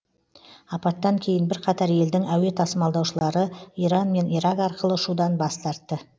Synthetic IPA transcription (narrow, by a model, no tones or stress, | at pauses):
ɑpɑt̪ːɑŋkʲʰe̞jɪnbɪɾqʰɑt̪ɑɾje̞ld̪ɪŋæwe̞t̪ʰɑsəmɑlˠd̪ɑwʃəlˠɑɾəiɾɑnme̞niɾɑkɑɾqəlˠəʊʃud̪ɑnbɑst̪ɑɾt̪ːə